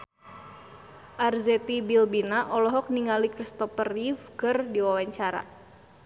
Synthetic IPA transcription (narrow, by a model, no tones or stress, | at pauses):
ʔarzɛt̪ibilbinaʔɔlɔɦɔk̚niŋalikɾist̪ɔfərifkɨrdiwawaɲt͡ʃaɾa̰